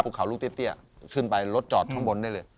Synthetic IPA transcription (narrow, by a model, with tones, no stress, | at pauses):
pʰuː˨˩kʰa˩˦wlu˥˩t̪i˥˩˨t̪i˥˩kʰɯ˥˩npa˧jlo˦˥t̪̚t͡ɕɔː˨˩t̪ʰːa˧˥˩ŋbo˧nda˥˩jlɤː˧j